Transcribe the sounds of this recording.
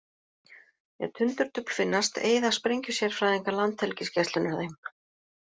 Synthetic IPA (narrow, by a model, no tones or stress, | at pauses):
jɛ̰ðt̪ʰʏnt̪ʏɾ̥t̪ʏpl̥fɪnːast̪ḛːjðaspɾejɲcʏsjɛɾ̥fɾaðeŋkalant̪hɛlcɪscɛst̪lʏnaðejm